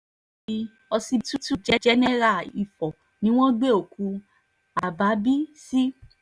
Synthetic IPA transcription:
bi˧ | ɔ˧si˧tu˦tu˦d͡ʒɛ˦d͡ʒɛ˦nɛ̃˦ɾa˦˨i˨fɔ˨ | nĩ˦w̃ɔ̃˦ɡ͡be˦o˨kũ˨˧˦ | a˨ba˨˦bi˦si˦

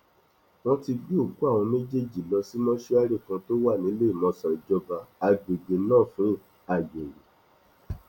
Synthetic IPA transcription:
w̃ɔ̃˦ti˧ɡ͡bi˦o˦˨ɡu˦a˦˨w̃ɔ̃˧me˦d͡ʒe˦d͡ʒi˦˨lɔ˧si˦mɔ̃˦ʃe˧˦a˦ɾe˦˨kã˧to˦wa˦˨nĩ˨˦le˦i˦˨mɔ̃˧˨sã˨d͡ʒɔ˧ba˧a˨ɡ͡be˨ɡ͡be˨˦nãː˦˨fũ˨˦˨ | a˨ɡ͡be˨ɾe˨

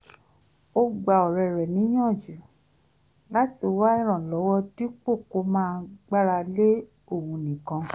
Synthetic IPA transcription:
o˧ɡ͡ba˨ɔ˨ɾɛ˨ɾɛ˨nĩ˨˦j̃ã˦˨d͡ʒu˨˦ | la˦ti˦˨o˧wa˦ɛ˦˨ɾ̃ã˨lɔ˨˦wɔ˦di˦k͡po˦˨ko˧˦mãː˦˧ɡ͡ba˦ɾa˧le˦ | o˦˨wũ˧nĩ˨kã˧

